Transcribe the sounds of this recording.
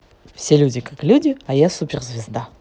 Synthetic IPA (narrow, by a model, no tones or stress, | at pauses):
fsʲelʲudʲɪkaklʲudʲɪajasupʲɪrzʲvʲɪzd̪a